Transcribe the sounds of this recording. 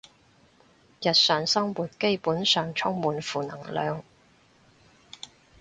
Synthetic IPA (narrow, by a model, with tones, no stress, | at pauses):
jɐ˨t̚sœː˨ŋsɐ˥ŋwuː˨˩t̚ke˥jpuː˨˥nsœː˨ŋt͡ʃʰʊ˥ŋmuː˨nfuː˨nɐ˨˩ŋlœ̰ː˨˧ŋ